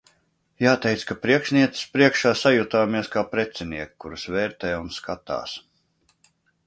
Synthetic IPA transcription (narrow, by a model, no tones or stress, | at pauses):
jaːt̪ɛjt̪skapɾiɛkʃniɛt̪i̥spɾiɛkʃaːsajut̪aːmiɛskaːpɾɛt̪sɛniɛkkːuɾusvɛːɾt̪ɛjunskat̪a̰ːs